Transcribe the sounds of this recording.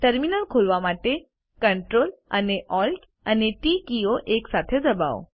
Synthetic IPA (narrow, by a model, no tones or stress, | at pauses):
ʈəɾminəlkʰolʋamaʈe | kəɳʈɾola̰neʔɔlʈ | aneʈikioʔeksat̪ʰed͡zəba̰o